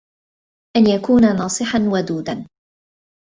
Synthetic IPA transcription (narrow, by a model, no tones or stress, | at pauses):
ʔanjakuːnanɑːsˤɨħanwad̪uːd̪an